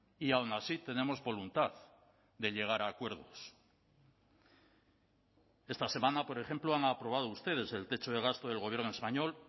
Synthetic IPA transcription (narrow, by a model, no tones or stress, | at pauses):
iawnasit̪e̞ne̞mo̞zβo̞lunt̪aθ | d̪e̞ʎe̞ɣ̞aɾaːkwe̞ɾð̞o̞s | e̞st̪ase̞mãnapo̞ɾexe̞mploaŋapɾo̞β̞að̞oust̪e̞ð̞e̞se̞lt̪e̞t͡ʃo̞ð̞e̞ɣ̞ast̪o̞ðelɣo̞β̞je̞ɾnoe̞spaɲo̞l